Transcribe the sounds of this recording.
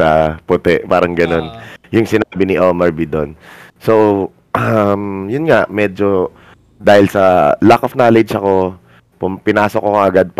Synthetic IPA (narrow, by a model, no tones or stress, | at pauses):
ɐpʊt̪ɛʔpaːɾɐŋɡɐno̞njʊŋsɪnaːbɪnɪʔoːmɐɹbid̪onsow | ʔɐmjʊnŋaʔmɛːd͡ʒo̞ | d̪aːhɪlsɐlakofnaːlɛd͡ʒɐko̞ | pʊpɪnaːsokːokɐʔɐɡad̪̚p